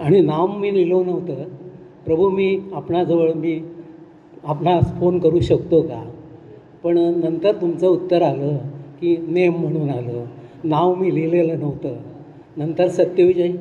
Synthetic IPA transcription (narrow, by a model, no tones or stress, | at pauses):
aɽ̃inaʋːiːnilonəʋ̤t̪əː | pɾəbʱumiːapɳad͡zəʋəɭmiː | apnasfonkəɾuːɕəkt̪oka̰ | pəɳnənt̪əɾt̪umt͡səut̪ːəɾaləːkiːnemːəɽ̃uːnaləːnawmiːlileləːnəʋ̤t̪əː | nənt̪əɾsət̪jəʋid͡ʑai